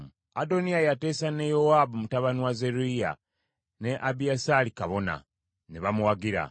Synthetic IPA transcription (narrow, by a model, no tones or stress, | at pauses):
ado̞nijajate̞ːsane̞jowaːbumutaβanuwazeɾuija̰ | ne̞ʔabiasalikaβo̞na̰ | neβamuwaɡiɾa̰